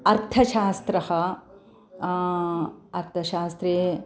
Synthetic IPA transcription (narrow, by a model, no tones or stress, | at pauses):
ɐɾt̪ʰɐʃaːst̪ɾɐhɐ | ɐɾt̪ʰɐʃaːst̪ɾeː